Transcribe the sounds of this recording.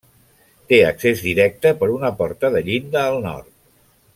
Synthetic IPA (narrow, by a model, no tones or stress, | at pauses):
t̪eəksezðiɾɛk̚t̪əpəɾunəpɔɾt̪əðəʎind̪əːlˠnɔ̰ɾt̪̚